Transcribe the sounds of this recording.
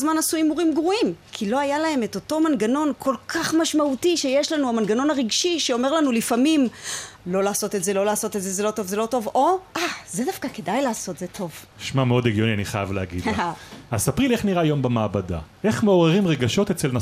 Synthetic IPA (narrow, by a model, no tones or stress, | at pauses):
zmanasuimuʁimɡʁuimkʰilo̞ajalae̞me̞to̞to̞manɡano̞nkʰo̞lkʰaχmaʃmautiʃe̞jeʃlanuamanɡano̞naʁiɡʃiʃeo̞me̞ʁlanulifamimlo̞laːso̞tetze̞lo̞laːso̞tetzezelo̞to̞vzelo̞to̞vo̞ʔazedafkake̞dajlaːso̞t̪zetʰo̞v | ʃmameo̞deɡjo̞nianiχajavleaɡḭdaasapʁileχniʁajo̞mbemaːbada̰ʔe̞χmeo̞ʁeʁimʁeɡaʃo̞t̪et͡selna